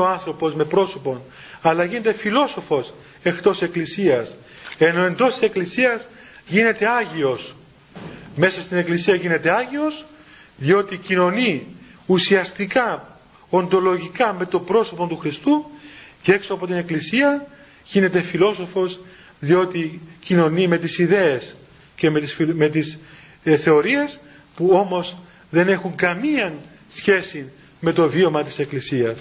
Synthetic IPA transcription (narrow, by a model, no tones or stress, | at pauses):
oɐnθɾo̞po̞zme̞pɾo̞so̞po̞n | ɐlɐʝine̞t̪e̞filo̞so̞fo̞s | e̞xt̪o̞se̞klisiɐs | e̞no̞e̞nd̪o̞st̪i̥se̞klisiɐz | ʝine̞t̪e̞ɐʝio̞s | me̞sɐst̪ine̞klisiɐʝine̞t̪e̞ɐʝio̞s | ðio̞t̪icino̞niusiɐst̪ikɐ | o̞nd̪o̞lo̞ʝikɐme̞t̪o̞bɾo̞so̞pot̪uxɾist̪ucee̞ksoɐpo̞t̪ine̞klisiɐ | ʝine̞t̪e̞filo̞so̞fo̞z | ðio̞t̪icino̞nime̞t̪isiðe̞es | ce̞mesme̞t̪is | θe̞o̞ɾie̞s | puo̞mo̞z | ðe̞ne̞xuŋɡɐmiɐn | sçe̞sin | me̞t̪o̞vio̞mɐt̪i̥se̞klisiɐs